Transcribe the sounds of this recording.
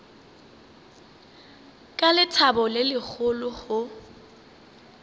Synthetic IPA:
kʼalɪtʰabɔlɪlɪk͡xʰʊlʊhʊ

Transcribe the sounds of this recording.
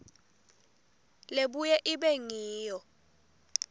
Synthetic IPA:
leɓujɛʔiɓɛŋiːjɔ

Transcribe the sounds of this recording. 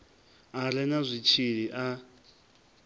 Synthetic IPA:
aɾɛnazʷit͡ʃʰiɺiʔa

